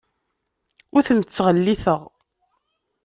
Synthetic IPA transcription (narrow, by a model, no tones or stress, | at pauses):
ʊɾθənt͡sːʁəlːiθəʁ